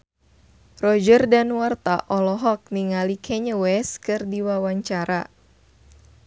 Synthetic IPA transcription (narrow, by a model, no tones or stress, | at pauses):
rɔd͡ʒərdanwart̪aʔɔlɔɦɔk̚niŋalikʰɛɲəwɛskɨrdiwawaɲt͡ʃaɾa